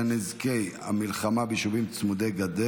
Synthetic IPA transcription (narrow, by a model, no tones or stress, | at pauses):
nizke̞jamilχamabiʃuvimt͡smud̪eɡad̪e